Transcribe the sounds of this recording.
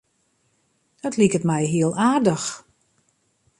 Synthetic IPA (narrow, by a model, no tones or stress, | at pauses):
d̥ɔtlikətmɛjɦiəlˠaːrdəx